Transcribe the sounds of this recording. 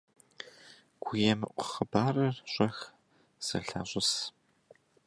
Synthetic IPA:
ɡ̥ʷʰʊjɛmɨʔʷʼʊχəbaːrɐrɕʷʼɐx | z̥ɐ̰ɬa̰ːɕʷʼɪs

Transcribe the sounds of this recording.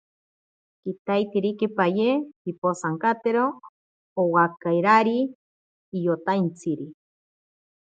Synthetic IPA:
kit̪ajt̪iɾikepajehiposaŋkat̪eɾoː | wakajɾaɾiː | jot̪ajnt͡sʰiɾi

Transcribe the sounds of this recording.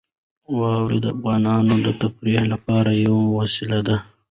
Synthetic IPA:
wɑwɾed̪əafɣɑːnɑnod̪ət̪afɾihlapɑɾajawawasilad̪a

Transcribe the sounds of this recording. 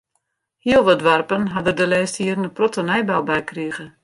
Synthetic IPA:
hiəlˠʋɔdʋarpənɦadədəlɛːsthiərnəprɔtənɛjbawbɛjkriəɣə

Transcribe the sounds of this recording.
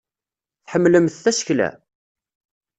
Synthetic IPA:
θħəmːləmθːæsə̥çlæ̰

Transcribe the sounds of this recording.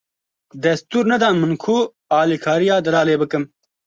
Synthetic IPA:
d̪ɐst̪uɾnɐd̪ãːmɐnkʰuː | aːlikʰaːɾijaːd̪ɐlaːleːbɐkɐm

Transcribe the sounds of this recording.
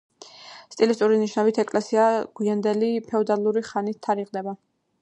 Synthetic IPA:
st̪ʼilist̪ʼuɾiniʃnavit̪ʰɛkʼlɛsiaɡ̥wiand̪ɛlipʰɛɔd̪alˠuɾiχanit̪ʰːaɾiʁd̪ɛba

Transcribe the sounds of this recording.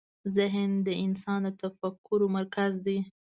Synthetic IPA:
zɪɦnd̪əɪnsɑnd̪ət̪afakʰːʊɾomaɾkazd̪e

